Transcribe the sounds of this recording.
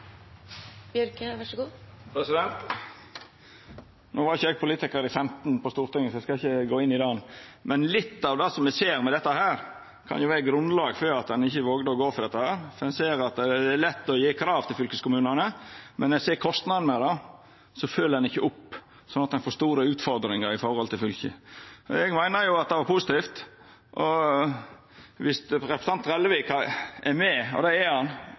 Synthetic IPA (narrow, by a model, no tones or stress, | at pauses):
bjœɾkəʋɑʂɡuːpʰɾɛsɪd̪ɛnt̪ | noːʋɑɾɪçːəɛːɡ̚pʰʊliːt̪ɪkəɾɪfɛmt̪npʰɔst̪uːɾt̪ɪŋːəsɔɛskɑɪçəɡoːɪnːɪd̪ɑːnmɛnlɪt̪ːɑʋd̪ɑsɔmɛseːɾmɛd̪ɛt̪ːəhæːɾ | kʰɑ̰njʊʋæɾəɡɾʉnlɑːɡføːɾɑt̪̚d̪ɛnɪçəʋoːɡd̪əɔɡoːfɔɾd̪ɛt̪ːəhæːɾfɔɾd̪ɛnseːɾɑt̪d̪ɛːlɛt̪ːɔjiːkʰɾɑːʋt̪ʰɪlfʏlkəskʊmʉːnənəmɛnɛseːkʰɔst̪nɑd̪n̩ɛd̪ɑ | sɔføːləd̪ɛnɪçːəʔʊpː | sɔnɑt̪d̪ɛnfoːʂst̪uːɾəʉːt̪fɔɾd̪ɾɪŋəɾɪfɔɾhɔlt̪ɪlfʏlçə̰ɔ̰ɛɡmæɪnəɾjʊɑt̪̚d̪ɛʋɑɾpʰʊsɪt̪iːft̪ | ʔɔ | ʋɪsɾɛpɾəsɑnt̪ɾɛləʋekɑʔɛmɛɔ̰d̪ɛɛhɑn